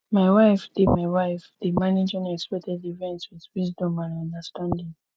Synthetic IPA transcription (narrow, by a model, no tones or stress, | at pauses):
maɪwaɪfdimaɪwaɪfðimanid͡ʒɛ̃nɛkspɛtɛdivɛ̃ntswiðwizdɔ̃mãnɔ̃ndəstãndĩŋ